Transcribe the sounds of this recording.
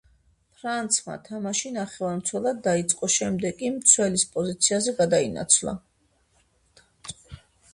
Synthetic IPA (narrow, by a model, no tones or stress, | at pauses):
pʰɾant̪sʰma̰t̪ʰamaʃinaχɛvaɾmt̪sʰwɛlˠad̪ːait̪sʼqʼɔʃɛmd̪ɛɡʼimt̪sʰwɛlispʼɔzit̪sʰiazɛɡad̪aina̰t̪sʰlˠa̰